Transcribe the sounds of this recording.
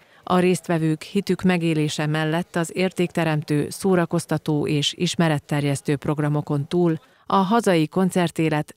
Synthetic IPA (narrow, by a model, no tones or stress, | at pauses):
ɒɾeːst̪ʋɛvøːkhit̪ykmɛɡeːleːʃɛmɛlːɛt̪ːɒzeːrt̪eːkt̪ɛɾɛmt̪øːsoːɾɒko̞st̪ɒt̪oːʔeːʃiʃmɛɾɛt̪ːɛrjɛst̪øːpro̞ɡrɒmo̞ko̞nt̪uːl | ɒɦɒzɒjiko̞nt̪sɛrt̪eːlɛt̪